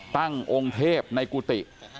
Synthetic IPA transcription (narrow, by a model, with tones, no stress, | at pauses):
t̪a˥˩ŋʔo˧ŋt̪ʰeː˥˩p̚na˧jkuː˧t̪i˨˩ʔ